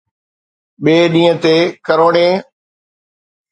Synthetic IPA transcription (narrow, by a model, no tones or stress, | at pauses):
ɓeːɗĩːə̃t̪eːkəɾoːɳẽː